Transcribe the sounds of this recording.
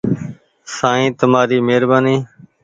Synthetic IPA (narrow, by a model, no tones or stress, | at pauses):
sãːĩːt̪əmaːɾiːmeːɾbaːniː